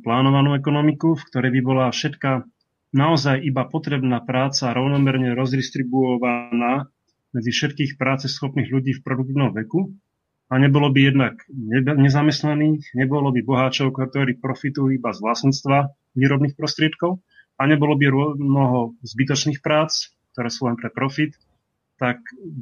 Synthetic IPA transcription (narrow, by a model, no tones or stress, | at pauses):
plaːnɔʋanuɛkɔnɔmikufkt̪ɔɾɛjbibɔlafʃɛt̪ka | naɔzajibapɔt̪ɾɛbnaːpɾaːt͡saɾɔʊnɔmɛɾɲɛɾɔzd̪iʃt̪ɾibuɔʋanaː | mɛd͡zifʃɛt̪kiːxpɾaːt͡sɛsxɔpniːɣʎuɟiːfpɾɔd̪uk̚t̪iːʊnɔmʋɛku | aɲɛbɔlɔbijɛd̪naɡɲɛɲɛzamɛst̪naniːxɲɛbɔlɔbibɔɦaːt͡ʃɔʊkɔk̚t̪ɔɾiːpɾɔfit̪ujuibazʋlastɲiːt͡st̪ʋa | ʋiːɾɔbniːxpɾɔst̪ɾɪɛt̪kɔʊ | aɲɛbɔlɔbiɾʊɔnɔɦɔzbit̪ɔt͡ʃniːxpɾaːt͡s | k̚t̪ɔɾɛːsuːlɛnpɾɛpɾɔfit̪ː | ak